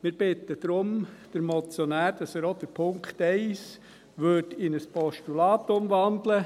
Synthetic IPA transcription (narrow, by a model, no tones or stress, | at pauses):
mɪːɾb̥ɪt̪ːəd̪̥ɾʊmd̪̥əɾmɔt͡sjɔnæːɾd̥ɑsəɾod̪̥əɾpʰʊŋkχt̪ɛɪs | ʋøtɪnəspʰɔʃtulɑːt̪ʊmʋɑnd̪lə